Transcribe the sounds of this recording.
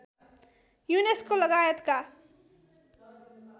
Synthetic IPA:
juneskolʌɡajʌt̪ka

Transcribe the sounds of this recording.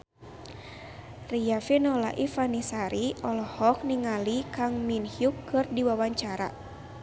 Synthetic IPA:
rijafinɔla̰ʔifanisaɾiɔlɔhɔk̚niŋalikaŋminhjukːɨrdiwawaɲt͡ʃaɾa̰

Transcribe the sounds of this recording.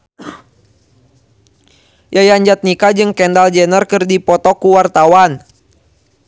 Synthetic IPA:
jajaɲd͡ʒat̪̚nikad͡ʒɨŋkɛndald͡ʒɛnərkɨrdipɔt̪ɔkuwart̪awan

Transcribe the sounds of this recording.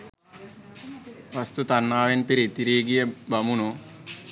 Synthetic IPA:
ʋɐst̪ut̪ɐnːaːʋenpiɾit̪iɾiːɡijɐbɐmunu

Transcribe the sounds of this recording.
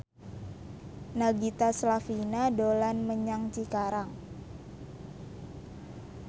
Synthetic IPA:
naɡit̪aslafinadolanməɲaŋt͡ʃikaɾaŋ

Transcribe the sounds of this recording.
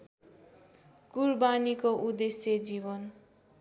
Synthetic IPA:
kurbanikoʔud̪esjed͡zibʌn

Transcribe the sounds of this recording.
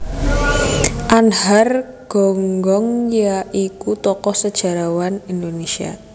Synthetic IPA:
ʔanhar | ɡ̥ɔ̤ŋɡɔŋjaʔikut̪ɔkɔsəd̥ʒ̥a̤ɾawanind̪onesia̰

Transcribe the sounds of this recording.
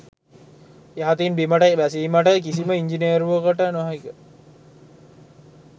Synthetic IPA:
eɦat̪inbiməʈəʋæsiimaʈəkis̬iməiɲd͡ʒiniəɾuʋəkəʈənaɦaikə

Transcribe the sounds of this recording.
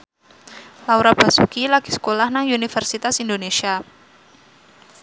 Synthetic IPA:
lauɾab̥a̤sukilaɡ̥isə̥kolahnaŋunifɛrsit̪asindonesia

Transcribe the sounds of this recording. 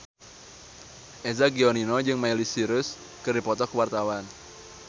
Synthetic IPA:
ʔezaɡioninɔd͡ʒɨŋmailisiɾʊs | kɨrdipɔt̪ɔkəwart̪awan

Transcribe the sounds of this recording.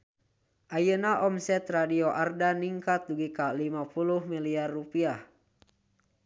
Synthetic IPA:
ʔajənaʔɔmsɛt̪radioʔardaniŋkat̪̚duɡikalimapuluhmiliarːupiah

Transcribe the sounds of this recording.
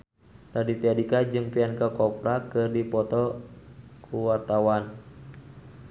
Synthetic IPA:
dadit̪iadikad͡ʒɨŋpiankakɔpɾakɨrdipɔt̪ɔ | kʰuwart̪awan

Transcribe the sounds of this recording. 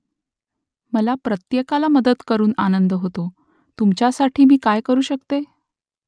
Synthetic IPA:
məlapɾət̪jekalaməd̪ət̪kəɾuːnanənd̪əɦot̪o | t̪umt͡ɕjasaʈʰiːmiːkajkəɾuːɕəkt̪e

